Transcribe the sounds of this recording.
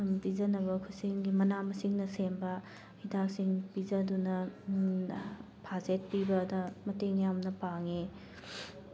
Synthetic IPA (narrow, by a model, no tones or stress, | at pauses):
mpizɐnɐbɐkʰuseŋɡimɐnamɐsiŋnɐsembɐ | hidak̚siŋpizɐdunɐ | pʰazet̚pibɐːdɐmɐteŋjamnɐpaŋe